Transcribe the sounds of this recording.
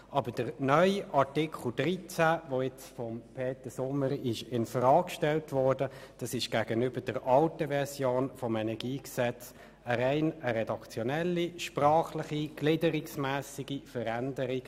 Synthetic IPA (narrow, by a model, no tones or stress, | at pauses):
ʔɑbəd̥əʁnœʏʔɑʁtɪkʰl̩dʁit͡sæʋoɪt͡sfɔmpʰeːtəsʊməɾɪʃɪnfrɑːkʃtɛltʋɔdəd̥ɑsɪʃɡ̥æːɡənʏbəd̥əʁʔɑltəvɛʁsjoːnfɔmɛnɛʁɡiːksɛt͡s | əɾæɪnəɾɛdɑkt͡sjɔnɛlːiʃprɑːχlɪχiɡ̥lɪdəɾɪksmæːsiɡifəɾændəɾik